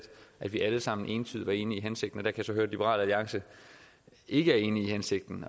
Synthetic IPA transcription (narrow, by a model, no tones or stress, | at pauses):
d̥ʔæd̥ʋiʔæləsɑ̈m̰n̩ʔe̝ːnt͡sʰy̰ðˠʋɑ̈e̝ːniiɦænse̝ɡ̥d̥n̩ɒd̥æɐkʰæjsɒ̽ɦøːɐdlib̥əʁɑ̰̈ːlæliɑ̈ŋsə | ʔe̝ɡ̥əæɐe̝ːniihænse̝ɡ̥̚d̥n̩